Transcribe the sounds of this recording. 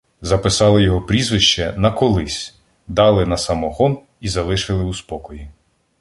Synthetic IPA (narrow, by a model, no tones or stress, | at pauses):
zɐpɪsɑlˠɪjɔɦɔpɾʲizʋɪʃt͡ʃɛnɐkɔlˠɪsʲ | d̪ɑlˠɪnɐsɐmɔɦɔn | izɐlˠɪʃɪlˠɪuspɔkɔji